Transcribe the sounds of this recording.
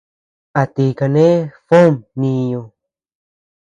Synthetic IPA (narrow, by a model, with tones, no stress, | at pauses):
a˨t̪i˧˨ka˧nẽ˦fo˦mnĩ˧jõ˧˨